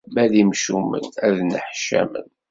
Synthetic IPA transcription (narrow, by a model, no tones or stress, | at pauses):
bæðimʃumə̰næðnəħʃæ̰mə̰n